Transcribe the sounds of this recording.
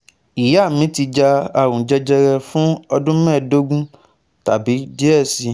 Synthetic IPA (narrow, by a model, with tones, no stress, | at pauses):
i˨ja˦˨mĩ˨˦ti˧d͡ʒa˧a˨ɾũ˨d͡ʒɛ˧d͡ʒɛ˧ɾɛ˧fũ˦ɔ˧dũ˦mɛ̃˦˨do˦ɡũ˦ | ta˨bi˨˦d͡ʒi˦ɛ˦˨si˧